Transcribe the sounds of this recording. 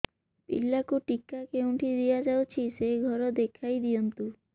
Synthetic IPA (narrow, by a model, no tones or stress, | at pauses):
pḭlːakuʈikːakeuɳʈʰid̪ijad͡ʒawt͡ʃʰiseɡʱɔɾɔd̪ekʰajd̪ijɔnt̪u